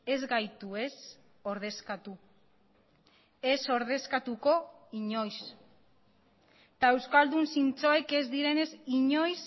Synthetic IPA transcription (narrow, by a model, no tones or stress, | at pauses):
e̞zɡajt̪ue̞s | o̞ɾðe̞skat̪u | e̞so̞ɾð̞e̞skat̪uko̞iɲo̞js | t̪ae̞wskald̪unsint͡so̞eke̞zðiɾe̞ne̞siɲo̞js